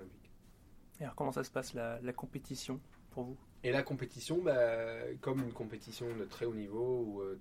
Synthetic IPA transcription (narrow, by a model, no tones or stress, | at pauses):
vik | alɔʁkɔmɑ̃sasə̥paslalakɔ̃pet̪isjɔ̃ | puʁvu | elakɔ̃pet̪isjɔ̃bakɔmynkɔ̃pet̪isjɔ̃d̪ət̪χɛonivouø